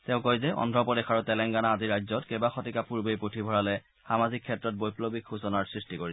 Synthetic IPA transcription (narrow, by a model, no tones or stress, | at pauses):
tẽʊ̃kojzɛʔɔ̰ndʱɔpɔdexaɹutɛlɛŋɡanaːziɹajzɔtkɛbaxɔtikapuɹbejpotʰibʱɔɹalɛ | xamazikʰːɛtɹɔt̚bojplobikʰxusɔnaɹsɹistikoɹis